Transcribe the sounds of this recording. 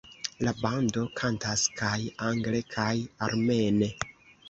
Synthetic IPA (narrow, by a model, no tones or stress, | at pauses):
labando̞kʰantaskʰajaŋɡle̞kʰajaɾme̞ne̞